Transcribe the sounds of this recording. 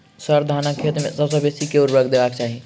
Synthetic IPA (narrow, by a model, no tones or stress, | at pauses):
səɾd̪ʱanakʰːet̪mẽsəbsəbesikeuɾɾəkd̪ebak̚t͡ʃaɦi